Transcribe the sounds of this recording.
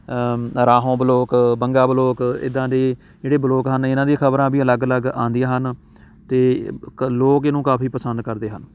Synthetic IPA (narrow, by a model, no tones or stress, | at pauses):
ɾaːɦõːbəloːkbəŋɡaːbəloːkɪ̰d̪ãːd̪eː | d͡ʒeːɽeːbəloːkɦənɪnãːd̪iaːkʰəbɾãːbiːələɡələɡã̰ːnd̪ijãːɦən | t̪eːloːkɪnũːkaːpʰiːpəsənd̪kəɾd̪eːɦən